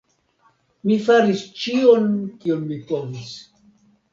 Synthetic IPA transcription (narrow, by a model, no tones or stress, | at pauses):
mifaɾist͡ʃionkionmipo̞vis